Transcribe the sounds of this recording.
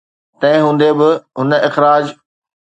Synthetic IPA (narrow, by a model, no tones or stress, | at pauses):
t̪ɐ̃ɦɪ̃ɦũːnd̪ebɪɦʊnə̆ɪxɾaːd͡ʑ